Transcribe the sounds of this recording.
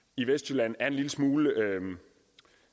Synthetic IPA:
iʋesd̥jylæn̩æɐenliləsmuːləø

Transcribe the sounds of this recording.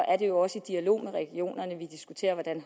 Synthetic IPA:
ʔæɐde̝jo̝ɒ̽səid̥iælo̝̰ːmeʁɛɡ̥io̝̰ːnɐnəʋid̥isɡ̥ut͡sʰe̝̰ːɐʋɒd̥æn

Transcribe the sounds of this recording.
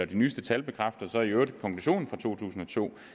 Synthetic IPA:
ɐd̥inyːsd̥ət͡sʰælb̥e̝kʰʁafd̥ɐsɒ̽iødəkʰɒ̽ŋkʰluɕo̝̰ːn̩fʁɑ̈t͡sʰo̝̰ːt͡sʰṵːsn̩ɒ̽t͡sʰo̝̰ː

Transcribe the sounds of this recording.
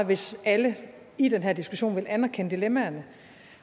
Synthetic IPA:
ʋe̝sælə | id̥enɦe̝ɐ̰d̥isɡ̥uɕo̝̰ːnʋe̝lʔænɐkʰenəd̥ilemæɐnə

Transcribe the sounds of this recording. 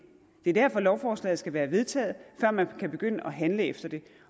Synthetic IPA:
d̥e̝æɐ̥æɐ̰fɒ̽lɒʊfɒːslɛ̰ːð̩ˠsɡ̥æʋæːɐʋe̝ð̞ˠt͡sʰɛ̰ːð̩ˠfɶɐ̰mænkʰæb̥e̝ɡ̥øn̰əʔɒ̽ɦænləefd̥ɐd̥e̝

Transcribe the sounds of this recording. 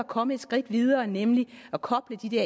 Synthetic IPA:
ækʰɒ̽məe̝d̥sɡ̥ʁid̥ʋið̞ˠɐːnemliɒkʰɒ̽b̥ləd̥id̥æɐ

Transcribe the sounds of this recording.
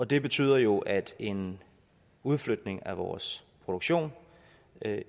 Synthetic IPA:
ɒ̽d̥e̝b̥e̝t͡sʰy̰ːðˠɐjo̝ʔæd̥e̝n | uð̞ˠflød̥ne̝ŋæʋɒ̰ːspʰʁo̝d̥oɡ̥ɕo̝̰ːn

